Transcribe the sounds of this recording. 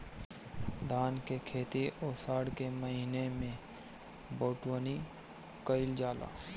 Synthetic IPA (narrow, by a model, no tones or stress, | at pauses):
d̪ʱaːnkekʰeːt̪iʔoːsaːɽkeməɦiːnemẽ | boːʈwəni | kəɪld͡ʒaːla̰ː